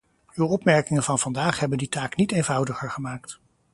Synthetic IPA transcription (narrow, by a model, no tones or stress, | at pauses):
ywɔpmɛɹkɪŋənv̥ɑnv̥ɑndaːχɦɛbənditaːknitejnvʌwdəχəɹχəmaːkt